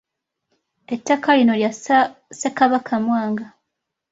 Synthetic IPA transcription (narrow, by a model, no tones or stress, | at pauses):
etːakalino̞ljasekaβakʰamwaːŋɡa